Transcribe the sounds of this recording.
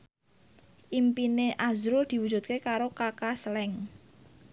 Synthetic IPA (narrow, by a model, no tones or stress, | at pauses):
ʔimpineʔazɾʊld̪̥i̤wu̥d͡ʒṳt̪̚kekaɾokakaslɛŋ